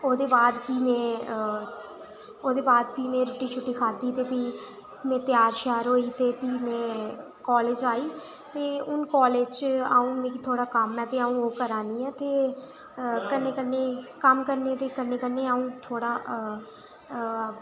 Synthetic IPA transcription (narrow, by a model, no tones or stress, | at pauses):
oːd̪eːbaːd̪piːmɛ̃ːə | oːd̪eːbaːd̪̚piːmɛ̃ːɾʊʈiːt͡ʃʰʊʈːiːkʰaːd̪iːt̪eːpiː | mɛ̃ːt̪ɪjaːɾʃɛːɾɦoːiːt̪eːpiːmɛ̃ː | kɔːleːd͡ʒaːiː | t̪eːʊnkɔːleːd͡ʒa̰ːũːʋẽːkt̪ʰoːɽaːkəmɛ̃ːt̪eːaːũːoːkəɾaːniːɛːt̪eː | kənːeːkənːeːkəmkəɾneːt̪eːkənːeːkəneːaːũːt̪ʰoːɽaː